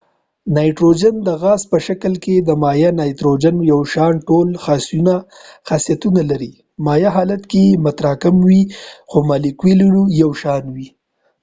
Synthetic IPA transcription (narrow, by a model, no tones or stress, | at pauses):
nɑjʈɾod͡ʒand̪əɣɑspəʃakəlked̪əmɑjanɑjt̪ɾod͡ʒanjawʃɑnʈolxɑsjunaxasjat̪unalaɾi | mɑjaɦɑlat̪kemat̪ɾɑkɪmwixomɑlikwiluɽujawʃɑnwi